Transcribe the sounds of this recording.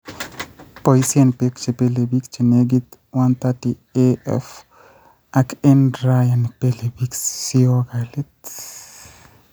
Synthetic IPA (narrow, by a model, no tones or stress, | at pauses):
poisienpekt͡ʃepelebikt͡ʃeneɡit̪ | want̪ati | eɛ̰f | ʔakɛndɾajanpelebiksioɡalit̪